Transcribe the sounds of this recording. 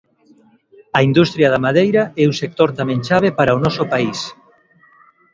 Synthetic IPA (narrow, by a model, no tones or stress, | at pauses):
ɐind̪ust̪ɾjaðamaðejɾɐɛusek̚t̪oɾt̪amɛ̃ŋʃaβ̞epaɾaonɔsʊpais